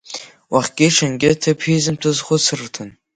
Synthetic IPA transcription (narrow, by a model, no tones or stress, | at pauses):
wʔaχʲɡʲɪʂanɡʲɪtʰapʰizɨmtʰɨzχʷʊt͡sʰɨrtʰɨn